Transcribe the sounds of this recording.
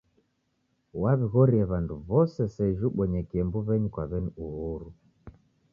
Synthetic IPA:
waβiɣɔɾiɛβanduβɔsɛsɛʒuɓɔɲɛkiɛmbuβɛɲikwaβɛniuɣhuɾu

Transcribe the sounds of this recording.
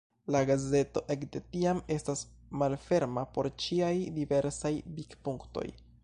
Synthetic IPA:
laɡaze̞to̞ʔe̞kde̞tiame̞stasmalfe̞ɾmapo̞ɾt͡ʃiajdive̞ɾsajbikpuŋkto̞̰j

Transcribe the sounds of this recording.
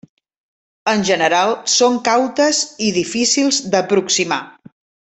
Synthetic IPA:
ənʲʒənəɾalˠsoŋkawt̪əziðifisilˠzd̪əpɾuksima

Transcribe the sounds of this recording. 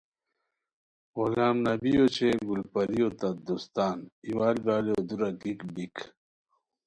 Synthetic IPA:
wolaːmnɐbijot͡ɕʰeɡulpɐɾiot̪ɐd̪ust̪aːniwaːlbaːleod̪uɾɐkikbik

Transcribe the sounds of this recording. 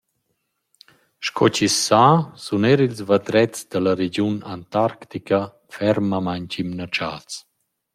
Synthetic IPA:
ʃkʰɔt͡ɕisːasunɛɾilzvad̪ɾɛt͡sd̪əlaɾed͡ʑunant̪aɾkt̪ikə | fɛɾmamaɲt͡ɕimnat͡ʃa̰ːt͡s

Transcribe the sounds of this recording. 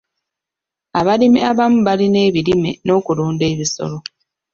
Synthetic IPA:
aβalimiaβamuβaline̞ːβilimḛno̞ːkuluːnde̞ːβiso̞̰lo̞

